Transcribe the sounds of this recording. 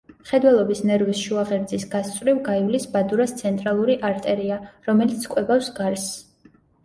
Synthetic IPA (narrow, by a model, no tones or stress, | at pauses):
mχɛd̪wɛlˠɔbisnɛɾwisʃuaʁɛɾd̪zisɡast̪sʼvɾivɡaivlisbad̪uɾast̪sʰɛnt̪ʼɾalˠuɾiʔaɾt̪ʼɛɾiaɾɔmɛlit̪sʰkʼwɛbafsɡaɾs